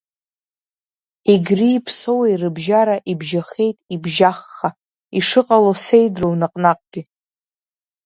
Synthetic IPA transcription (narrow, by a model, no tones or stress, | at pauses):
iɡʲriːpʰso̞wejrɨbʒaɾaʔibʒaχe̞jtʼibʒaχːa | iʂɨqʼalosejdrownaqʼnaqʼɡ̥ʲi